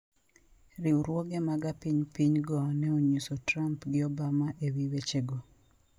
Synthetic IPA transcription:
ɾiuɾwoɡemaɡapiɲpiɲɡɔnɛoɲusotɾampɡɪɔbamaʔewiwet͡ʃeɡɔ

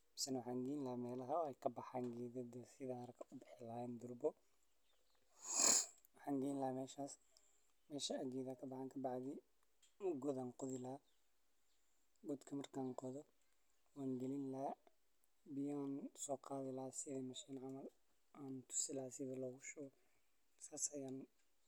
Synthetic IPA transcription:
mɐsɛnwɑħaːŋɡɛɪnlɐmɛːlɐɦɐɛjkʰɐbɑħaːŋɡiːðɐd̪ɐsɪðaɐɾkʰɐʔʊbɪħɪlaːjɛnd̪ʊrbɔ | wɑħaːŋɡɛːnlɐmɛːʃaːs | mɛːʃɐɐɡiːðaːkʰɐbɑħaːŋkʰɐbɑʕðɪ | ʊɡɔðaːnqʊðɪlaː | bɔd̪kʰɐmɐrkʰaːnqɔðɔ | waːŋɡɛlɪnla | bɪjaːnsɔːqɑːðɪlaːsɪðɐmɐʃiːnʕɑmɐl | ʔaːnt̪ʰʊ̥sɪlaːsɪðɐlɔːɣʊʃɔɣɔ | saːsɐjaːn

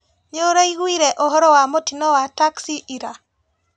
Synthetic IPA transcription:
ɲoɾaiɣwiɾɛʔɔɦɔɾɔwamotinɔwataksiʔiɾa

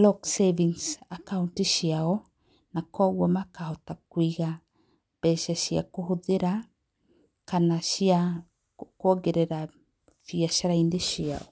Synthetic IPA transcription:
lɔkseviŋsakauntiʃiaɔ | nakɔɣwɔmakahɔtakwiɣa | b̥ɛʃaʃia̰koɦoðeɾa | kanaʃia | kɔɡeɾɛɾa | fiaʃaɾaindeʃia̰ɔ

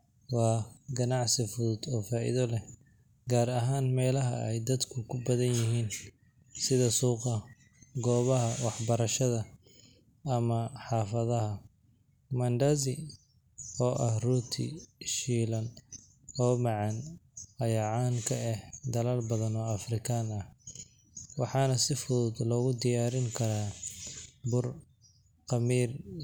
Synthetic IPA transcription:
wɑːɡɐnɑʕsɪfʊðʊd̪ɔːfaːʔḭðɔlɛ | ɡaːɾɐɦaːnmɛːlɐɦɐɛ̰jd̪ɐd̪kʰʊkʰʊbɐðɐnjɪɦiːn | sɪðɐsuːqɐ | ɡɔːβɐɦɐwɑħbɐɾɐʃɐðɐ | ɐmɐħɑːfɐðɐɦɐ | mɐnd̪azɪ | ɔːʔɐhruːt̪ʰɪ̰ʃiːlɐn | ɔːmɑʕɑn | ɐjaʕɑːŋkʰɐɛhd̪ɐlalbɐðɐnɔːɐfrɪkʰaːnɐh | wɑħɑːnɐsɪfʊðʊːd̪lɔːɣʊd̪ɪjaːɾɪŋkʰɐɾaː | bʊr | qɑmiːr

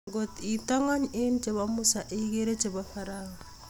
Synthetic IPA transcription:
ɡot̪itaŋaɲent͡ʃeβamusaʔeɣeɾet͡ʃeβafaɾaɣa

